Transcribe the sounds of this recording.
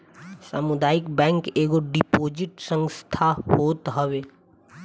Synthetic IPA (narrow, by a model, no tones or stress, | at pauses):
sa̰ːmʊd̪aːɪkbɛ̃ːŋkeːɡoɖipoːd͡ʒɪʈsə̃ŋst̪ʰaɦoːt̪ɦɐʋeː